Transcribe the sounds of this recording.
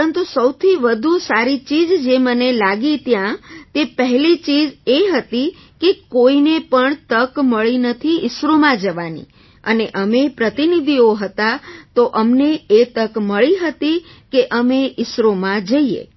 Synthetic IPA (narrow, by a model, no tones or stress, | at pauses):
ənt̪usəwt̪ʰiʋəd̪ʱusaɾit͡ʃid͡ʒd͡ʒemənelaɡit̪jãt̪epəɦɛlit͡ʃid͡ʒeɦət̪i | kekoinepəɳt̪əkməɭinət̪ʰiɪsɾomãd͡ʒəʋanḭ | əneʔəmepɾət̪inid̪ʱioɦət̪at̪oʔəmneet̪əkməɭiɦət̪ikeʔəmeʔɪsɾomãd͡ʒəiḛ